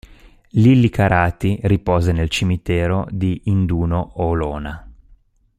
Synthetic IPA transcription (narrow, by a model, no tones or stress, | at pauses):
lilːikaɾʔaːt̪iripɔːzenelt͡ʃimit̪ɛːɾod̪iʔːnd̪uːnooloːna